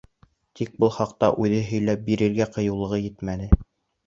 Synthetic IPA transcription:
t̪ik̚bɤlˠχɑqt̪ɑʔʉðɘɦɵ̆jlæp̚biɾɘ̆ɾɡæqɤ̆jɤ̆wlˠɤ̆ʁɤjɘt̪mænɘ

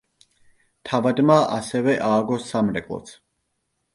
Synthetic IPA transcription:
t̪ʰavad̪maʔa̰sɛvɛʔaːɡɔsamɾɛkʼlˠɔ̰t̪sʰ

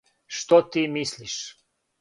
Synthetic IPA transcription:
ʃt̪ot̪imislʲiʃ

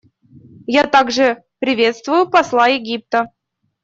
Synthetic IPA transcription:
jat̪aɡʐɨpɾʲɪvʲet̪st̪vʊjʊpɑslˠɑjɪɡʲip̚t̪ə

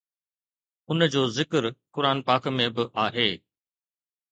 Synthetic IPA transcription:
ʊnd͡ʑoːzɪkəɾkʊɾaːnpaːkmẽbɪʔaːɦeː

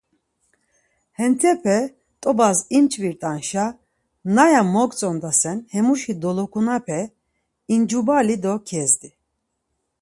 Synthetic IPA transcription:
hɛnt̪ʰɛpʰɛ | t̪ʼɔbazimt͡ʃʼviɾt̪ʼanʃa | najamɔkʼt͡sʼɔnd̪asɛnhɛmuʃid̪ɔlɔkʰunapʰɛ | ind͡ʒubalid̪ɔkʰɛzd̪i

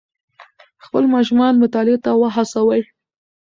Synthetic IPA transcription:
xpəlmɑʃʊmɑnmʊt̪ɑlet̪awəɦasawəj

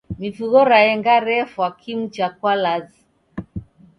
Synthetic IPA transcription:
mifuɣɔɾaɛŋɡaɾɛfwakʰim̩t͡ʃakwalazi

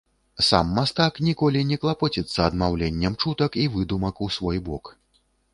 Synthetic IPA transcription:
sa̰mːast̪aknʲikɔlʲinʲɛklˠapɔt͡sʲɛt̪sːɐɐd̪mawlʲɛnʲːɛmt͡ʂut̪ɐkivɨd̪umɐkusvɔjbɔk

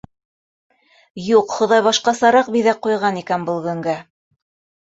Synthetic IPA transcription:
juqχŏðɑjβɑʃqɑsɑɾɑq̚biðæqːujʁɑnikænbɤlˠɡɵ̆ŋɡæ

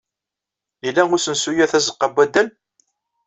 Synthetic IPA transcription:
ilːæʊɾsənsujæθæzəqːəbːæd̪əl

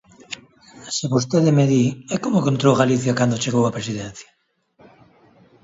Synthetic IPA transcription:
seβost̪eðemeðiɛkomokõnt̪ɾowɣaliθjakand̪ot͡ʃeɣowapɾesiðɛn̟θjḁ

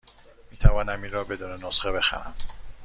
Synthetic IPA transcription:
miːt̪ʰævɒːnæmiːnɾɒːbe̞d̪uːnenosxebe̞xæ̰ɾæ̰m

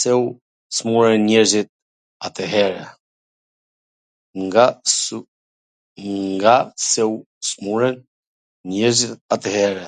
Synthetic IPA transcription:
sɛu | smuɾɛnːɲɛɾzit̪̚ | at̪ɛɦɛɾɛ | ŋɡa | ŋɡasɛu | smuɾɛn | ɲɛɾzit̪at̪ɛhɛɾɛ

